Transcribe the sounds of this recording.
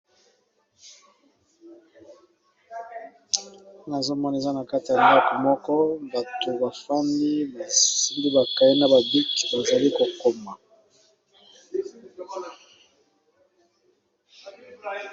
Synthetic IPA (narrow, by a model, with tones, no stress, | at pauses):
na˨zo˦mɔ˦n˨e˨za˦na˨ka˦ti˨a˨nda˦ko˨mɔ˦kɔ˦ba˨to˨ba˨fa˦ndi˦ba˨si˦ndi˦ba˨ka˨i˦na˨ba˨bi˦kba˨za˨li˦ko˨ko˦ma˨